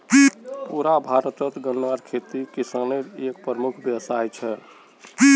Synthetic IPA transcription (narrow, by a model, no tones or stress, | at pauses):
ipuɾabʱaɾət̪ət̪ɡənːwaɾkʰet̪ikisaneɾekpɾəmukʰbjəwsajt͡ʃʰɛ